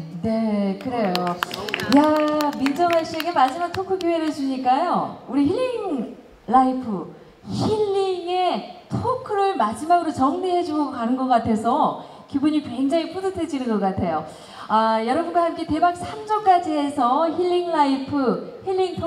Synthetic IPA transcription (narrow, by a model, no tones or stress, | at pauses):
ne̞kɯɾe̞jojamind͡ʑʌnaɭɕ͈ie̞ɡemad͡ʑimak̚tʰokʰɯkjoɦe̞ɾɯɭt͡ɕuɲik͈ajouɾiçiʎːiŋ | laipʰɯ | çiʎːiŋe̞tʰokʰɯɾɯɭmad͡ʑimaɡɯɾot͡ɕʌŋneɦe̞d͡ʑuɡokanɯnɡʌk͈atʰe̞sʰʌ | kibuɲikwe̞ŋd͡ʑaŋipʰodɯtʰed͡ʑinɯnɡʌk͈atʰe̞jo | ajʌɾʌbunɡaɦamk͈e̞te̞bak̚sʰamd͡ʑʌk͈ad͡ʑie̞sʰʌçiʎːiŋlaipʰɯhiɭːiŋtʰo